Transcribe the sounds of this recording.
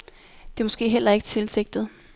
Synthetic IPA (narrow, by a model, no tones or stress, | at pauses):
d̥e̝mɒ̽sɡ̥e̝̰ːɦel̰ɐe̝ɡ̥ət͡sʰe̝lse̝ɡ̥̚d̥ð̩ˠ